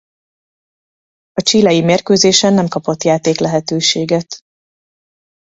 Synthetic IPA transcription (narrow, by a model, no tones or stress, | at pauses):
ɒt͡ʃiːlɛjimeːrkøːzeːʃɛnːɛmkɒpo̞t̪jaːt̪eːklɛɦɛt̪øːʃeːɡɛt̪